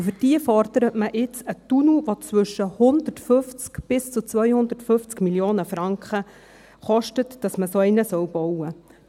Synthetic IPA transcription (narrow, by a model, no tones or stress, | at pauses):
fʏd̥iəfɔrd̥əɾətməʔɪt͡sətunuʋot͡sʋʏʃəhʊnd̪ətfɵft͡skb̥ɪst͡sut͡sʋœjhʊndətfʏft͡skmiljoːnəfɾɑŋkχə | χɔʃtətd̥ɑsməsoɛɪnəsœwb̥ɔwə